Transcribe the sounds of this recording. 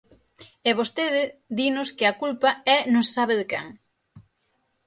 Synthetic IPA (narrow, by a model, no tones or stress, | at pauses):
ɛβ̞ost̪eðɪd̪inʊskɪɐkulpɐɛnossaβɪðɪkɛ̰ŋ